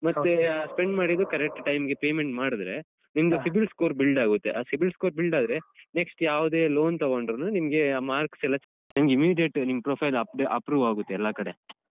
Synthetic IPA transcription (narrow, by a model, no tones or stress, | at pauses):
mɐt̪ːespeɳɖmaːɽid̪ːukɐɾek̚ʈʈɐjmɡepeːme̞ɳʈmaːɽid̪ɾe̞ | nimd̪ɐsibilskoːɾbilɖaːɡut̪ːeʔaːsibilskoːɾbilɖaːd̪ɾe̞neksʈjaːʋd̪e̞ːlo̞ːnt̪ɐɡoɳɖɾonunimɐɡe̞maːɾksɛlːɐt͡ʃ | nimɐɡeimiːɖijeʈːnimːpɾoːpʰɐjlɐpɖeʔɐpɾuːʋaːɡut̪ːeɛlːɐkɐɽe